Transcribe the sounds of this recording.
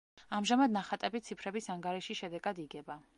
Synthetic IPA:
amʒamad̪naχat̪ʼɛbit̪sʰipʰɾɛbisaŋɡaɾɛʃiʃɛd̪ɛɡad̪iɡɛba

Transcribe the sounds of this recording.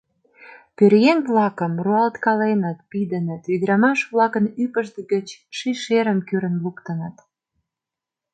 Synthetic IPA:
pøɾjeŋβlɑkəmruɑlt̪kɑlenət̪̚pid̪ənət̪βid̪ɾɑmɑʃβlɑkənypəʃd̪əɡət͡ɕʃiʃeɾəmkyɾə̆nlukt̪ənət̪

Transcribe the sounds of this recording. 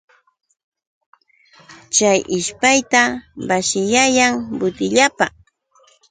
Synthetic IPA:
t͡ʃajʔɪʃpajt̪abaʃɪjajaŋbʊt̪ɪʎapa

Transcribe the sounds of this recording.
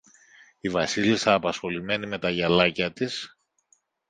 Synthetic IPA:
ivɐsilisɐːpɐsxo̞lime̞nime̞t̪ɐʝɐlɐcɐt̪is

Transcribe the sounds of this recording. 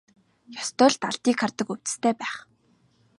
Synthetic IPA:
jɔst̪œːɮt̪aɮt̪iːkʰːart̪ə̆kɵw̥t͡sɘ̥̆st̪ʰeːpæːχ

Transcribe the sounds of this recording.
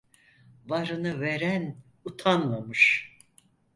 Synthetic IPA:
vaɾɯnɯveɾæn | ut̪ʰanmamɯʃ

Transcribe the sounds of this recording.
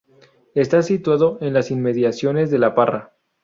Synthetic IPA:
e̞st̪asit̪waðo̞e̞nlasinme̞ðjasjo̞ne̞zðe̞lapara

